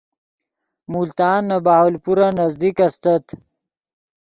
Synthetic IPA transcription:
mult̪aːnːɐbaːɦolpuɾanɐzd̪ikɐst̪ɐt̪

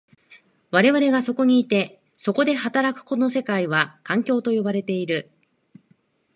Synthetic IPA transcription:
βaɾe̞βaɾe̞ɡaso̞ko̞ɲ̟iːt̪e̞ | so̞ko̞d̪e̞ɦat̪aɾakɯ̟̥ko̞no̞se̞kaiβakãŋkʲo̞ːt̪o̞jo̞baɾe̞t̪e̞iɾɯ̟

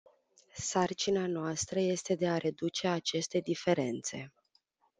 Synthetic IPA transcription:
sart͡ʃinanoast̪ɾəje̞st̪e̞d̪e̞aɾe̞d̪ut͡ʃe̞at͡ʃe̞st̪e̞d̪ife̞ɾe̞nt̪se̞̰

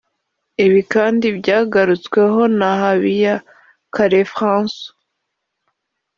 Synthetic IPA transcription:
iβikaːndibɟaːɡaɾut͡skwe̞ɦo̞nahaβija | kaɾefʁãːnso̥

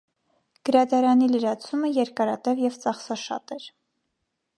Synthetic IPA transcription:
ɡ̥əɾɑd̪ɑɾɑniləɾɑt͡sʰuməjɛɾkɑɾɑt̪ɛvjɛvt͡sɑχsɑʃɑ̰t̪ɛɾ

